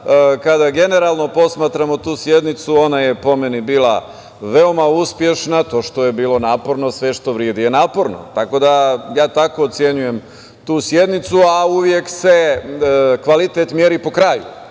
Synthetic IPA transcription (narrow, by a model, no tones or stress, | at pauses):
kad̪aɡe̞ne̞ɾaːlˠno̞po̞smaːt̪ɾamo̞t̪uːsje̞d̪nit̪suo̞naje̞po̞menibiːlˠa̰ | ʋeo̞mauspje̞ʃnat̪o̞ːʃt̪o̞jebiːlˠo̞naːpo̞ɾno̞sʋe̞ʃt̪o̞ʋɾjed̪ijenaːpo̞ɾno̰t̪ako̞d̪ajaːt̪ako̞ːt̪sje̞ɲuje̞m | t̪uːsje̞d̪nit̪suauʋje̞kse̞ | kʋalit̪et̪mjeɾipo̞kɾajṵ